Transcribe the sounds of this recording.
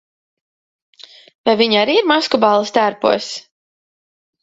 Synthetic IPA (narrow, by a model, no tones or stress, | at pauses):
vajviɲaɾiːiɾmaskɔbɑlˠːɐst̪æɾpṵɔs